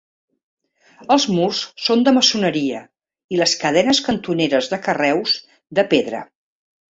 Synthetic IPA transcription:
əlˠzmurssond̪əməsunəɾiə | iləskəð̞ɛnəskənt̪uneɾəzðəkərɛwz | d̪əpeðɾə̰

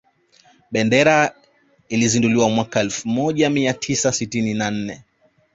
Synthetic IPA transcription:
ɓɛndɛɾa | ilizinduliwamwakaɛlfumɔʄamiatʰisasitininan̩nɛ

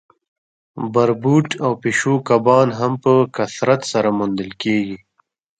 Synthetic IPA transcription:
baɾbuʈawpeʃokabɑnɦampəkasɾat̪saɾamund̪əlkeɡi

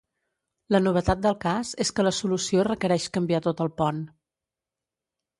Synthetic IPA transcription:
lənuβ̞ət̪at̪̚d̪əlˠkaz̥eskələsulusiorəkəɾɛʃkəmbiat̪ot̪əlˠpɔn

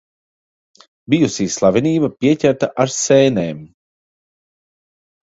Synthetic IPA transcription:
bijusiːslˠavʲiniːbapiɛcʲæɾt̪aʔaɾsɛːnɛːm

